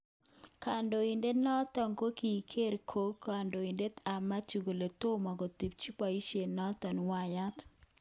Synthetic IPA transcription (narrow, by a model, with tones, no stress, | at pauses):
ka˨ndo˨i˨nde˦nɔ˦t̪ɔ˨ŋko˦ki˨kʰe˦ɾkʰo˦ka˨ndo˨i˨nde˦t̪a˨ma˦t͡ʃu˨ɡo˨le˨t̪o˦ma˨ɡo˨t̪i˨p̚t͡ʃu˦pa˨i˦ʃje˨nɔ˦t̪ɔ˨nwa˦˨ja˦t̪